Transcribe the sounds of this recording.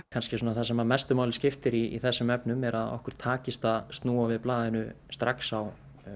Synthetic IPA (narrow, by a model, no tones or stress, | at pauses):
kʰanscɪsuːnaθasɛmamɛst̪ʏmaːwlɪscɪft̪ɪɾiḭθɛsːʏmɛpnʏmɛɾaðɔ̰hkʏɾ̥t̪ʰːaːcɪst̪ast̪nuːavɪðplaːðɪnʏ | st̪ɾaksaw